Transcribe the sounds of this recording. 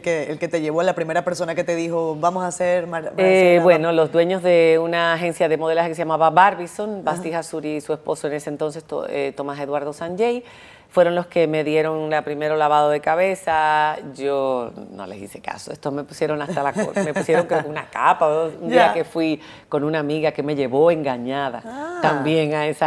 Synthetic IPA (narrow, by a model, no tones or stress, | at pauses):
keelket̪eʝe̞βoalapɾime̞ɾapeɾso̞naket̪eðixo̞bamosaseɾmamebwe̞no̞lo̞zd̪we̞ɲo̞zðe̞unaːxe̞nsjaðe̞mo̞ð̞elashakeseʝamaβaβaɾβiso̞nbasihasuɾisuespo̞soene̞sent̪o̞nse̞st̪o̰et̪o̞mase̞ðwaɾðo̞saɲʝej | fwe̞ɾo̞nlo̞ske̞me̞ðje̞ɾo̞ŋlapɾime̞ɾo̞laβaðo̞ðe̞kaβe̞saʝono̞̰le̞̰sḭse̞ka̰soest̪o̞zme̞pu̥sje̞ɾo̞ŋast̪alakome̞pu̥sje̞ɾo̞ŋkɾeokeunakapaund̪iake̞fwi | ko̞nũnaːmiɣakeme̞ʝe̞βo̞e̞ŋɡaɲaðat̪ambje̞ŋaesa